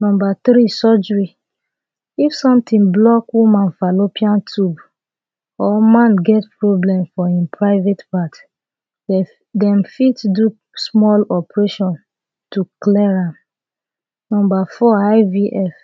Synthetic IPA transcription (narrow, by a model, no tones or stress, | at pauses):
nɔ̃mbat̪ɹisɔd͡ʒɹi | ifsɔ̃mtĩnblɔkwimãnfalopiãntʰub | ɔmãnɡɛtpɹoblɛ̃mfɔĩnpʰɹaɪvetpat | dɛ̃mfitdu | smɔlɔpɹeʃɔ̃n | tuklɛɹãm | nɔ̃mbafɔaɪviʔɛf